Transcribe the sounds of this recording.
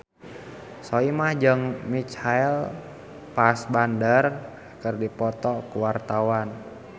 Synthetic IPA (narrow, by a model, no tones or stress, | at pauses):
soimahd͡ʒəŋmit͡ʃhaɛl | pasbandər | kərdipɔt̪ɔkuwart̪awan